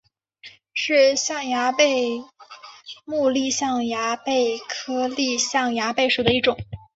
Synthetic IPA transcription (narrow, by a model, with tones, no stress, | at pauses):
ʂɻ̩˥˧ɕjɑ˥˩ŋja˧˥pe˥˧ɪ | mu˥˧li˥˧ɕjɑ˥˩ŋja˧˥pe˥˩ɪkʰɤ˥li˥˧ɕjɑ˥˩ŋja˧˥pe˥˩ɪʂu˨˩d̪ə˦i˥˩ʈ͡ʂʊ˨˩˦ŋ